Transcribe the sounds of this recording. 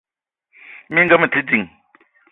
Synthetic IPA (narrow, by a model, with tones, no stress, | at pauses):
mi˦ŋɡa˦mə˨tʰi˦d͡zi˨ŋ